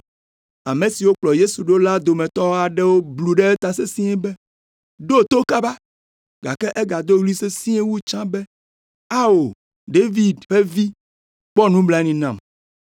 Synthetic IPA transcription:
a˨mẽ˨si˨wo˦k͡plɔ˨je˦su˨ɖo˦la˦d̪o˨mɛ̃˨t̪ɔ˦wa˨ɖɛ˦wo˦blu˨ɖɛ˦ɛ˦t̪a˨se˦sĩ˦ɛ˦bɛ˦ | ɖo˦˨t̪o˦ka˦ba˦ | ɡa̰˨kɛ˦ʔɛ˦ɡa˨d̪o˦wli˦se˦sĩ˦e˦wu˦t͡ʃã˦bɛ˦ | a˦wo˨ | ɖe˦vi˨d̪ɸe˦vi˦ | k͡pɔ˦nũ˦bla˦nĩ˨nã˨m

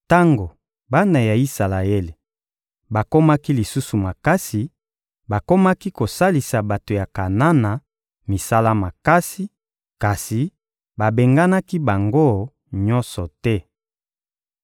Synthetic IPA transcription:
ta˦ŋɡo˨ | ba˦na˨ja˨i˦sa˨la˨e˦le˨ | ba˨ko˦ma˦ki˦li˨su˦su˨ma˨ka˦si˨ | ba˨ko˦ma˦ki˦ko˨sa˦li˨sa˨ba˨to˨ja˨ka˨na˦na˨ | mi˨sa˦la˦ma˨ka˦si˨ | ka˨si˨ | ba˨be˨ŋɡa˦na˦ki˦ba˨ŋɡo˦ | ɲɔ˦nsɔ˨tɛ˦

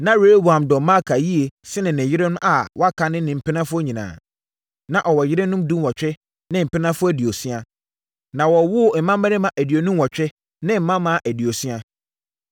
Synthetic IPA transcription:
nã˦ɾe˨˦o˦bu˨ã˨mdɔ˨mã˦˨kʰa˨ji˦e˨sɪ˦nɪ̃˨nɪ̃˨jɪ˦ɾɛ˦nʊ̃˦ʔa˨wɔ˦a˦kʰã˨nɪ̃˦nɪ̃˨m̩˨pʰɪ˦nã˦fʊ˦ɲĩ˨nã̰ː˨ | nã˨ʔɔ˨wɔ˨jɪ˦ɾɛ˦nũ˦mdũ˦wɔ˨t͡ɕᶣɛ˦ | nɪ̃˦m̩˨pɪ˦nã˦fʊ˦æ˨di˨o˨si˦a˦ | nã˨wɔ˨wʊ˦˨m̩˨˦mã˦mɛ˦ɾɪ˦mã˨ʔæ˨di˨o˨nũ˦mwɔ˨t͡ɕᶣɛ˦ | nɪ̃˦m̩˨mã˦mã˦˨ʔæ˨di˨o˨si˦a˦

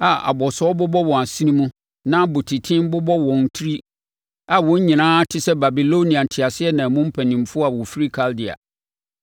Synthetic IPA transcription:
a˨a̰˨bɔ˨sɔ˦bʊ˦bɔ˦wɔ̃˨a˨si˦nĩ˦mũ˦ | nã˦bʊ˨tʰi˨tʰɪ̃˦m˦bʊ˦bɔ˦wɔ̃˨n˨tʰɾi˦ | a˨wɔ̃˦ɲĩ˨nãː˦tʰɪ˦sɛ˦ba˨bi˨lo˦nĩ˨a˨tʰɪ˨a˨sɪ˦ɛ˦nã˨mʊ̃˦m̩˦pʰæ˨nĩ˨m̩˨fʊ˦ɔ˦a˨wɔ˨fi˦ɾi˦kʰa˦ldi˨a̰˨

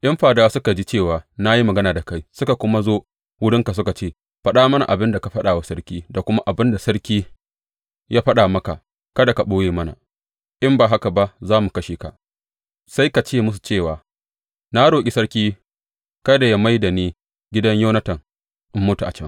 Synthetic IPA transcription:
ʔɐ˦mɸaː˨daː˦sʊ˦ka˨d͡ʒi˦t͡ʃeː˦˨waː˨na˦ji˦mɐ˨ɡɐ˦naː˨da˨ka˦jsʊ˦ka˨kʷʊ˦ma˦zoː˦ | wʊ˦ɽɪ˦ŋka˨s̬ʊ˦ka˨t͡ʃeː˦˨ | ɸɐ˦ɗaː˦mɐ˦na̰˨ʔa˨bɪ˦nda˨ka˨ɸɐ˦ɗaː˨wa˦sɐ˦ɽkʲiː˦da˨kʷʊ˦ma˦ʔa˨bɪ˦nda˨sɐ˦ɽkʲiː˦ | jaː˦ɸɐ˦ɗaː˨mɐ˦ka˨ | kɐ˦da˨ka˨ɓoː˦jeː˨mɐ˦na̰˨ | ʔɪ˦mbaː˨ɦa˦ka˨ba˦ʔzaː˦mu˨kɐ˦ʃiː˨ka̰˨ʔ | sa˦jka˨t͡ʃeː˦˨mʊ˦s̬u̥˨t͡ʃeː˦˨waː˨ | na˦ɽoː˨kʲʼi˨˦sɐ˦ɽkʲiː˦ | kɐ˦da˨ja˦ma˦jda˨neː˦ | ɡʲɪ˦dɐ˦ɲjoː˦nɐ˦tɐ˨ŋ | ʔɪ˦mːʊ˦tu˨ʔa̰˨t͡ʃɐ˦ŋ

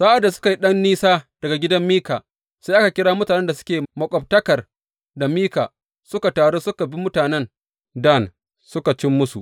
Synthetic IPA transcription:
saː˦ʔa˨dːa˨sʊ̥˦ka˨ji˦ɗɐ˦nːiː˦saː˦d̥ɐ˨ɡa˨ɡʲɪ˦dɐ˦mːiː˦kaː˨ | sa˦jʔa˦ka˨kʲɪ˦ɽaː˦mʊ˦taː˨nɛ˦nda˨s̬ʊ̥˦kʲeː˨mɐ˨kʷʼɔ˨b̚tɐ˦kɐ˨r | da˨miː˦kaː˨ | sʊ˦ka˨taː˨ɽoː˦sʊ˦ka˨bi˦mʊ˦taː˨nɛ˦n | da˦˨n | sʊ˦ka˨t͡ʃɪ˦mːʊ˦sṵ˨ʔ

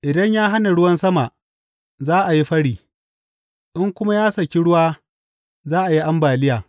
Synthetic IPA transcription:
ʔɪ˨dɐ˦ɲjaː˦ɦa˦na˨ɽʊ˦wɐ˦nsɐ˦ma˨ʔ | zaː˦ʔa˨ji˦ɸɐ˦ɽiː˨ | ʔɪ˦ŋkʷʊ˦ma˦jaː˦sɐ˨kʲi˦ɽʊ˦waː˦ | zaː˦ʔa˨ji˦ʔa˦mbaː˨lɪ˦jaː˨

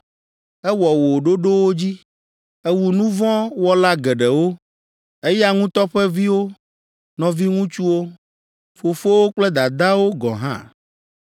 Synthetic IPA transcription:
ɛ˦wɔ˨wo˨ɖo˦ɖo˦wo˦d͡ʑi˦ | ɛ˦wu˨nũ˦vɔ̃˦wɔ˦la˦ɡɛ˨ɖɛ˨wo˦ | e˦ja˦ŋũ˦t̪ɔ˦ɸɛ˦vi˦wo˦ | nɔ̃˨vi˦ŋũ˦t͡ʃu˦wo˦ | fo˨fo˦wo˦k͡plɛ˦d̪a˨d̪a˦wo˦ɡɔ̰̃˨ɦã̰˦

